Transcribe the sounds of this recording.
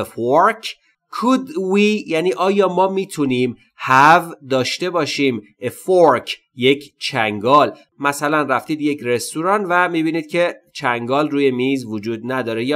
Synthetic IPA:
foɾkʰ | kʰud̪wijæːniːʔɒːjɒːmɒːmiːt̪ʰuniːm | hævd̪ɒːʃt̪e̞bɒːʃiːm | efoɾkʰ | je̞cʰt͡ʃʰæŋɡɒːl | mæsælænræft̪iːd̪je̞cʰre̞st̪uɾɒːnvæmiːbiːniːd̪̥̚cʰe̞t͡ʃʰæŋɡɒːlruːje̞miːzvod͡ʒuːd̪næd̪ɒːɾe̞jː

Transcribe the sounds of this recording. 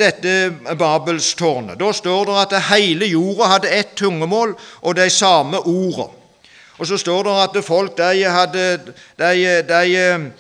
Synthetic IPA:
d̪ɛt̪ːəbɑːbəlst̪ʰʊʁnə̰d̪oːst̪oːʁd̪ɛʁɑt̪hæɪləjuːʁɑhɑd̪ːəɛt̪ʰːʊŋːəmoːlʔɔd̪æɪsɑːməʔuːʁə̰ | ɔsɔst̪oːʁd̪æʁɑt̪fɔlk̚d̪æɪhɑd̪ːəd̪æɪd̪æɪ

